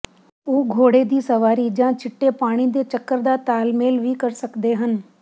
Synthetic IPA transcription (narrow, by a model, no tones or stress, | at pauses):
uːɡʱoːɽed̪iːsɐʋaːɾid͡ʒãːt͡ʃɪʈːepaːɽ̃id̪et͡ʃəkːəɾd̪aːt̪aːlmeːlʋikɐɾsəkd̪eɦən